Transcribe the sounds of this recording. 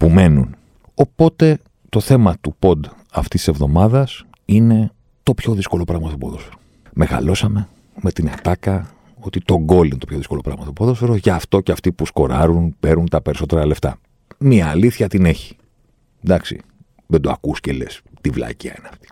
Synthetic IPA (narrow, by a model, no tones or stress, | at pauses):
pume̞nun | o̞po̞t̪e̞ | t̪o̞θe̞mɐt̪upo̞d̪ | ɐft̪ist̪isevðo̞mɐðɐs | ine̞ | t̪o̞pço̞ðisko̞lo̞pɾɐɣmɐt̪opoðo̞sfeɾo | me̞ɣɐ̰lo̞sɐme̞ | me̞t̪inɐt̪ɐkɐ | o̞t̪it̪o̞ɡo̞lint̪opçoðisko̞lo̞pɾɐ̰mɐθopoðo̞sfe̞ɾoʝɐːft̪o̞ceɐft̪ipusko̞ɾɐɾunpe̞ɾunt̪ɐpe̞ɾiso̞t̪e̞ɾɐle̞ft̪ɐ̰ | miɐːliθçɐt̪ine̞çi̥ | d̪ɐksḭ | ðend̪oɐkuscele̞̰st̪ivlɐ̰ciɐ̰ineɐft̪i̥